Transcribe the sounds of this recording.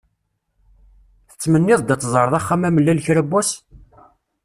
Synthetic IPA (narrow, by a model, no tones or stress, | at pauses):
θə̥t͡sːmənːɪðˤd̪ət̪ːzˤəɾˤðˤɑχːamæməlːælçɾæbːæs